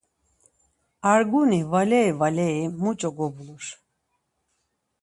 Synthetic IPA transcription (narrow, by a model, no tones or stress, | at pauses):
aɾɡunivalɛjvalɛimut͡ʃʼɔɡɔbluʃ